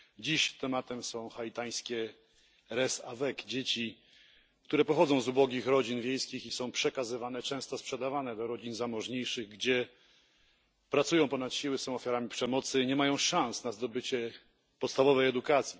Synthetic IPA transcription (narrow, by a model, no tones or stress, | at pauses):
d͡ʑiɕt̪ɛmat̪ɛmsɔ̃w̃xait̪aj̃skʲɛ | ɾɛsavɛkd͡ʑet͡ɕi | kt̪uɾɛpɔxɔd̪zɔ̃w̃zubɔɡʲixɾɔd͡ʑinvʲjejskʲixisɔ̃w̃pʂɛkazɘvanɛt͡ʂɛ̃w̃st̪ɔspʂɛd̪avanɛd̪ɔɾɔd͡ʑinzamɔʐɲejʂɘɣɡd͡ʑɛ | pɾat̪sujɔ̃w̃pɔnat̪ɕiwɘsɔ̃w̃ɔfʲjaɾamʲipʂɛmɔt̪sɘɲɛmajɔ̃w̃ʂãw̃snazd̪ɔbɘt͡ɕɛ | pɔt̪st̪avɔvɛjɛd̪ukat̪sʲji